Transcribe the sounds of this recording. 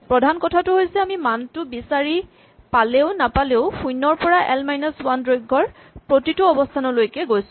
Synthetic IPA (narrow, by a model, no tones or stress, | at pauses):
pɹɔdʱankɔtʰatʊɦojsɛamimantʊbisaɹi | paleʊnapaleʊxujnːɔɹpɔɹaʔɛlmajnaswandɹojɡʱːɔɹ | pɹotitʊɔbɔstʰanɔlojkɛɡojsʊ̥̃